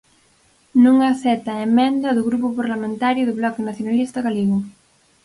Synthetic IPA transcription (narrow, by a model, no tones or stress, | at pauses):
nũŋaθɛt̪ɐemẽnd̪ɐðʊɣɾupʊpaɾlamẽnt̪aɾjʊðʊβlɔkenaθjonalist̪ɐɣaliɣo